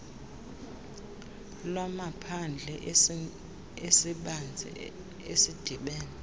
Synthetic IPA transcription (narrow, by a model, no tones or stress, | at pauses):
lwamapʰand͡ɮʱɛʔ | esiɓand͡zʱɛ̰ | esid̥ʱiɓɛːnɛ